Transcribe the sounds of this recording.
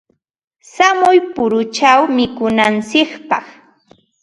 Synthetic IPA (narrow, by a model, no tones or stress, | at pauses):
samʊjpʊɾʊt͡ʃawmɪkʊnant͡sɪkpɑχ